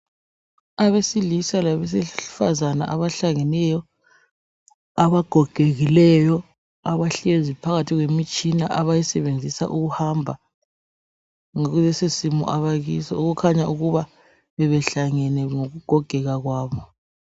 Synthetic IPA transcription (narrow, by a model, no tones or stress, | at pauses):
aβesilisalaβɛs̬ɛfazana̰ʔaβaɬaŋɛnɛjɔ | aβaɡ̥ʱɔɡ̥ʱeɣilɛjɔ | aβaɬezipʰaɣatʰiɣwemit͡ʃʼinaʔaβajisɛβend͡zʱisa̰ʔuɣuhambʱa | ŋoɣuzɛsesimṵʔaβaɣisɔuɣukʰaɲaʔuɣuβa | βɛβɛɬaŋɛnɛŋoɣuɡ̥ʱɔɡ̥ʱɛɣaɣwaːβɔ